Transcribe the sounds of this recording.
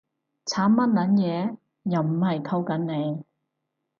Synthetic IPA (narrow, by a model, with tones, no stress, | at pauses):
t͡sʰaː˨˥mmːɐ˥t̚nɐ˨˥njɛː˨˧ | jɐ˨˩wm̩˨˩hɐ˨jkʰɐ˧wkɐ˨˥nne˨˧j